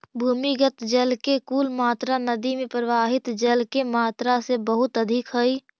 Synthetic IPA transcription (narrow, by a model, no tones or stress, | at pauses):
bʱuːmiɡət̪d͡ʒəlkekuːlmaːt̪ɾanəd̪imẽpɾəʋaːɦɪt̪d͡ʒəlkemaːt̪ɾasebəɦʊt̪əd̪ʱɪkɦəi